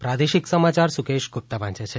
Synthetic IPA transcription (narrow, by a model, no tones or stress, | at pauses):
pɾad̪eʃiksəmat͡ʃaɾsukeʃɡup̚t̪aʋãnt͡ʃet͡ʃʰe